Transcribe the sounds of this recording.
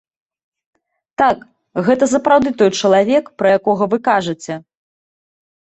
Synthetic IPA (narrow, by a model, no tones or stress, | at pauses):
t̪ak | ɣɛt̪ɐsɐpɾawd̪ɨt̪ɔjt͡ʂɐlˠavʲɛkpɾɐjakɔɣɐvɨkaʐɨt͡sʲɛ